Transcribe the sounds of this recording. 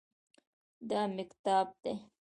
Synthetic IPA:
d̪ɑmɪkt̪ɑːb̚d̪e

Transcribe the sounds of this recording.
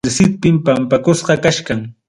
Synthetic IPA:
ɾsɪt̪̚pɪmpampakʊsɢɑkaʃkaŋ

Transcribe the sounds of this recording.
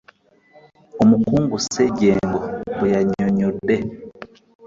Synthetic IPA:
omukuːŋɡuseɟeːŋɡobujaɲoɲode

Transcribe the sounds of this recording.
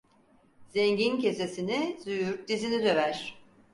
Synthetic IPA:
zeɲɟince̞sesinizyjyɾd̪izinid̪ø̞væɾ̥

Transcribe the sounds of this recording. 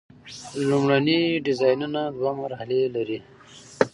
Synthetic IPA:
lumɽaniɖɪzɑjnunad̪wamaɾhalelaɾi

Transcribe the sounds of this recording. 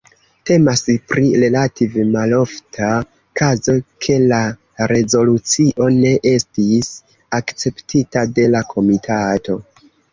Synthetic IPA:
te̞maspɾiɾe̞lativemalo̞ftʰa | kʰazo̞kʰe̞la | ɾe̞zo̞lut͡siʔo̞ne̞ʔe̞stis | akt͡se̞ptʰitade̞lakʰo̞mitʰato̞

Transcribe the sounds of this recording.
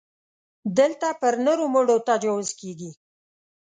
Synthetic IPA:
d̪əlt̪apəɾnoɾomʊɽot̪ad͡ʒɑwʊzkeɡi

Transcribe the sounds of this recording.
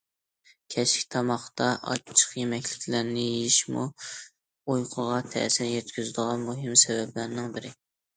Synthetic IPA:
kʲʰɛʃkʲt̪ʰɑmɑχt̪ɑʔɑ̰tt͡ʃʰə̥χjemɛkʲlɪkʲʰlæɾnɪjeiʃmṵ | ojqʰəʁɑt̪ʰɛ̰sɪɾjɛt̪kʲyzɪd̪əʁɑnmoɦɪmsɛvɛblæɾnɪŋbɪɾɪ

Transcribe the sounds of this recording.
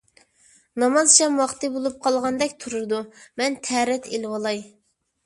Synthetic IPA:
nɑmɑzt͡ʃʰɛmwɑχt̪ɨbolˠup̚qʰɑlˠʁɑnd̪ɛkʲt̪ʰuɾuɾd̪umɛnt̪ʰɛɾɛt̪ʰelwɑlˠɑj

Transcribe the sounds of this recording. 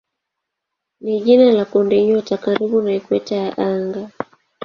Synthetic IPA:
niʄinalakundiɲɔtakaɾiɓunaikwɛtajaʔaŋɡa

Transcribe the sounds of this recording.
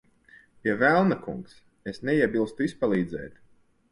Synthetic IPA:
pʲiɛvælˠnakṵŋks | esnʲɛiɛbilˠst̪uispalˠiːd̪zɛ̰ːt̪

